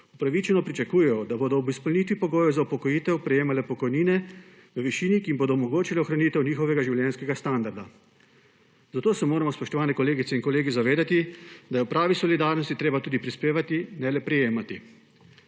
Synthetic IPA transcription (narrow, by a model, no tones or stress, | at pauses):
upɾaʋit͡ʃɛnɔpɾit͡ʃakuːjɛjɔd̪aboːd̪ɔːbispɔlnit̪ʋipɔɡoːjɛzaupɔkɔjiːt̪ɛwpɾɛjeːmalɛpɔkɔjniːnɛ | ʋəʋiʃiːnikiːmboːd̪ɔumɔɡoːt͡ʃilɛɔxɾaniːt̪ɛwniːxɔʋɛɡaʒiwljɛnskɛɡast̪and̪aɾd̪a | zat̪oːsɛmoːɾamɔspɔʃt̪ɔʋaːnɛkɔleːɡit̪sɛinkɔleːɡizaʋeːd̪at̪id̪ajɛwpɾaːʋisɔlid̪aːɾnɔst̪it̪ɾeːbat̪uːd̪ipɾispeːʋat̪inɛlɛpɾɛjeːmat̪i